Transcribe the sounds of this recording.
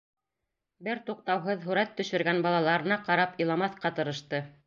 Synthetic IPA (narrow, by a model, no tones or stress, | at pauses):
bɘɾt̪uq̚t̪ɑwɦɤðɦʉɾæt̪ːɵ̆ʃɵ̆ɾɡænbɑlˠɑlˠɑɾɤ̆nɑqɑɾɑpɤ̆lˠɑmɑθqɑt̪ɤ̆ɾɤ̆ʃt̪ɤ